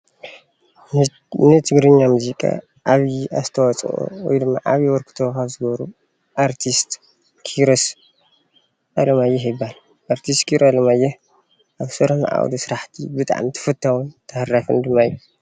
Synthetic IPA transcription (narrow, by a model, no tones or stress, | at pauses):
nɨt̪ʰɨɡɾɨɲːamuzikʼa̰ | ʔaβjiazt̪ʰɐwɔt͡sʼʔṵwɔ̰jd̪ɨmːa̰ʔa̰βjiwɔɾkʰɨ̥t̪ʰokaβzɨɡβɐɾu | ʔaɾt̪ʰist̪ | kʰiɾos | ʔalɐmajːɛɦjɨbal | ʔaɾt̪ʰist̪kʰiɾalɐmajːɛ | ʔaβsɐɾɐmʔa̰w̰d̪isɨɾaħt̪ʰibɨt̪ʼa̰ʕmt̪ʰɨ̥fɐt̪ʰːawunt̪ʰɐhrafɨ̰nd̪ɨmːaijːu